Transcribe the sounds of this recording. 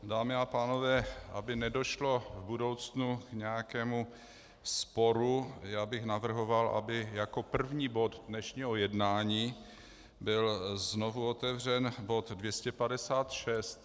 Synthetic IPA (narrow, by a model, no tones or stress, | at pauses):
daːmɪapaːno̞vɛːʔa̰bɪnɛdo̞ʃlo̞vbudo̞wt͡snukɲɛjakɛːmu | spo̞ɾujaːbɪxnavr̩ɦo̞valʔa̰bɪjako̞pr̩vɲiːbo̞ddnɛʃɲiːɦojɛdnaːɲiː | bɪlznovuot̪ɛvrɛnbo̞t̪dvjɛscɛpadɛsaːt̪ʃɛst̪